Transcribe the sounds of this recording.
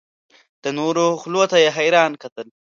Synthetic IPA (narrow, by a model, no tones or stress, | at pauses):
d̪̥ənoɾoxlot̪ajeɦajɾɑːnkat̪əl